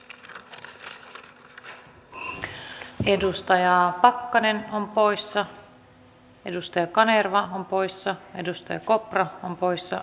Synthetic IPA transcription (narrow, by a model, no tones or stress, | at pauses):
e̞dust̪ɑjɑpɑkːɑnenompo̞jsːɑ | e̞dust̪ɑjɑkɑnerʋɑompo̞jsːɑe̞dust̪ɑjɑ̰ko̞prɑompo̞jsːɑ̰